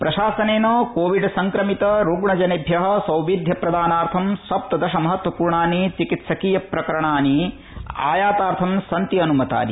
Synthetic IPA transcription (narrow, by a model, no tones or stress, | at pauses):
pɾɐʃaːsɐneːnoːkoːʋiɖsɐŋkɾɐmit̪ɐɾuːɡɳɐd͡ʒɐnebʱjɐɦɐ̆sɐ̃wʋid̪ʱjɐpɾɐd̪aːnaːɾt̪ʰɐmsɐp̚t̪ɐd̪ɐʃɐmɐɦɐt̪wɐpuːɾɳaːnit͡ʃikit̪sɐkiːjɐpɾɐkɐɾɐɳaːni | a̰ːjaːt̪aːɾt̪ʰɐmsɐnt̪iɐnumɐt̪a̰ːnḭ